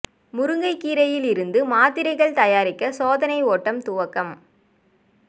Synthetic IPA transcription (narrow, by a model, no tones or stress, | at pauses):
mʊɾɯŋɡɐɪkːiːɾɐjɪlɪɾɯnd̪ɯmaːt̪ɪɾɐɪɣɐɭt̪ɐjaːɾɪkːɐsoːðɐnɐɪoːʈːɐmt̪ʊʋɐkːɐm